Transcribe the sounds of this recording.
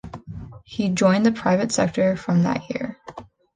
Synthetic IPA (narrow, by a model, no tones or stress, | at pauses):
hid͡ʒɔ̃ɪ̃nðɨpʰɹ̥aɪvɨtsɛk̚tə˞fɹʌ̃mðə̰ʔ̚jɪ̰ɹ